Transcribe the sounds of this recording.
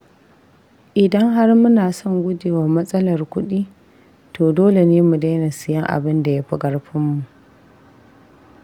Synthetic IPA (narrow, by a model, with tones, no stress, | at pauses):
ʔɪ˨dɐ˦ŋɦa˦rmʊ˦naː˨sɔ˦˨ŋɡʷʊ˦deː˨wa˨mɐ˦sʼɐ˦lɐ˨rkʷʊ˦ɗiː˦ | tʰoː˨doː˦le˨neː˦mu˨da˦jna˨sɪ˨jɐ˦ŋʔa̰˨bɪ˦nda˨ja˦ɸɪ˦ɡɐ˦rɸɪ˦mːu˨ʔ